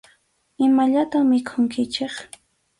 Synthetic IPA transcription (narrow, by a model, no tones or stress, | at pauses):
ɪmaʎat̪amɪkʰʊŋkɪt͡ʃeχ